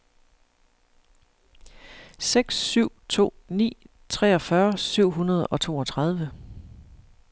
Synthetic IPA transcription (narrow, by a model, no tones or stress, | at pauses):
seɡ̥sːyʊ̰t͡sʰo̝̰ːnḭː | t͡sʰʁɛːɒ̽fɶɐsyʊ̰ɦunɐð̞ˠɒ̽t͡sʰo̝̰ːɒ̽t͡sʰʁɑð̞ˠʋə